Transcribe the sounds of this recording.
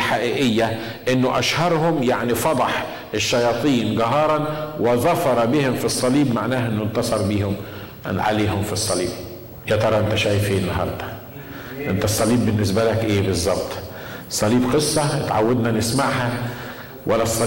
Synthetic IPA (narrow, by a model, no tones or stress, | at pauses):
ħaʔiːʔɪjːa | ʔɪnːʊʔa̰ʃhɑɾˤhʊmjaʕnifɑd̪ˤɑħ | ʔɪʃːɑjɑːt̪ˤiːnɡaɦɑːɾˤɑnwɪðˤɑfɑɾˤɑbihʊmfisˤːɑliːbmaʕnæːhʔɪnːʊnt̪ɑsˤɑɾˤbiːhʊm | nʕa̰leːɦʊmfisˤːɑlḭːb̚ | jat̪ɑɾˤɑʔɪnt̪æʃæːjfiːnːɑɦɑ̰ɾˤd̪ˤɑ | ʔɪnt̪æsˤːɑliːbːɪnːɪsbælakʔeːbɨzˤːɑbt̪ˤ | sˤɑliːbqɨsˤːɑt̪ʕa̰wːad̪nanɪsmaʕɦa | wʔalːæsˤːɑ